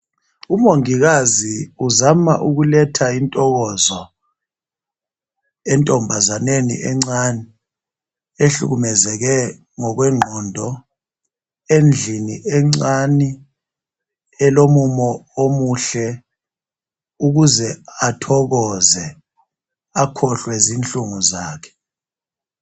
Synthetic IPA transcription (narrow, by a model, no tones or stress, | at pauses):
umoŋiɣ̬aziuzama̰ʔuɣ̬ulɛtʰaintʼɔɣɔzɔ | ɛntʼɔmbʱazanenḭʔɛŋ͡ǀani | eɬṵɣumɛzɛk̬ɛ | ŋɔk̬wɛŋ͡ǃʱɔndʱɔ | end͡ɮʱiniʔɛŋ͡ǀani | ɛlomumɔomuɬɛ | uk̬uzɛatʰɔk̬ɔzɛ | akʰɔɬwɛzint͡ɬʼuŋuzaːkʰɛ̥